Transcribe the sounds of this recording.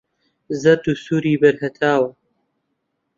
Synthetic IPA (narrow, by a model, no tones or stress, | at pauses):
zɐt̪usuɾiːbɐɾhɐt̪ʰaːwɐ